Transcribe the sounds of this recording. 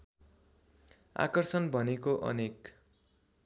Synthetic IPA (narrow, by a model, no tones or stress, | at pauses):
a̰kʌrsʌnbʱʌnekoʔʌ̰nek